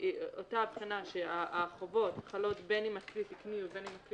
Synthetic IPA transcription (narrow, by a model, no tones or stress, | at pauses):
otaːbχinaʃeaʔaχovo̞tχalo̞tbe̞nimaklitikniube̞nimakli